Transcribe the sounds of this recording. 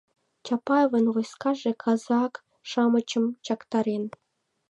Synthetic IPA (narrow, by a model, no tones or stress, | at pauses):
t͡ɕɑpɑvɤ̆nʁojskɑʒekʰɑzɑk | ʃɑmɤ̆t͡ɕə̆mt͡ɕɑkt̪ɑɾen